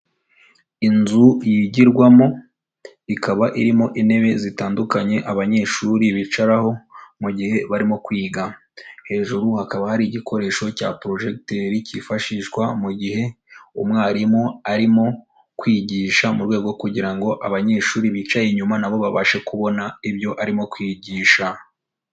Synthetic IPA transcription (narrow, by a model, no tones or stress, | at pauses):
inzujiɟiɾɡwamo̞ | ikʰaβaʔiɾimo̞ʔine̞βe̞zitaːndukaɲe̞ʔaβaɲe̞ːʃuɾiβit͡ʃaɾaho̞muɟihe̞βaɾimo̞kwiːɡa | he̞ːʒuɾuhakaβahaɾiɟikʰo̞ɾe̞ːʃo̞ca̰pɾo̞ʒe̞kteɾicifaʃiʃɡwamuɟihe̞ | umŋaːɾimo̞aɾimo̞ | kwiːɟiːʃamuɾwe̞ːɡo̞kuɟiɾaŋɡo̞ʔaβaɲe̞ːʃuːɾiβit͡ʃajeɲumanaβo̞βaβaʃe̞kuβo̞naiβjo̞ʔaɾimo̞kwiːɟiːʃa